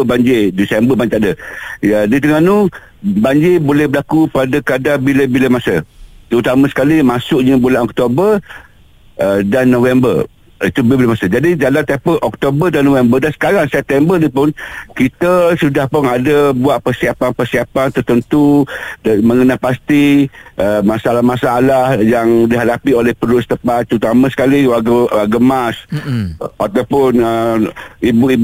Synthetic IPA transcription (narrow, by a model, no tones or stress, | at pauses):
əbaɲd͡ʒedisɛmbəbaɲd͡ʒaʔdəjədit̪̬əŋanu | baɲd͡ʒɪbolɛhbəlakupadakadabiləbiləmasət̪əɾut̪amasə̥kalimasʊʔɲəbulanɔk̚t̪obər | ədanːovɛmbə̰r | it̪ubiləbilamasəd͡ʒadid͡ʒalant̪ɛpəlʔɔk̚t̪obərdanːovɛmbərdansə̥kaɾaŋsɛp̚t̪ɛmbərnipʊnkit̪əsudahpʊnadəbuaʔ̪̚pərsiapanpərsiapant̪ərt̪ənt̪udmə̃ŋənapast̪iʔəmasalahmasaalahjaŋdiɦadapiolɛhpədʊst̪əpat̪̚ːɾut̪amãsə̥kaliwaɡəwaɡəmas | at̪awpʊnə | ibuib